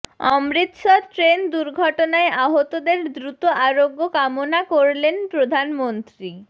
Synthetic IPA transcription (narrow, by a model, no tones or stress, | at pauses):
ɔmɾit̪ʃɔʈɾend̪uɾɡʱɔʈonaeʔaɦot̪od̪eɾd̪ɾut̪oʔaɾoɡːokamonakoɾlenpɾod̪ʱanmont̪ɾi